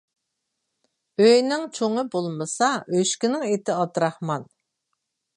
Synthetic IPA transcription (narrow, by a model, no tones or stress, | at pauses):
øjnɪŋt͡ʃʰoŋɨbolˠmɨsɑøʃkʲinɪŋet̪ʰɪɑt̪ɾɑχmɑn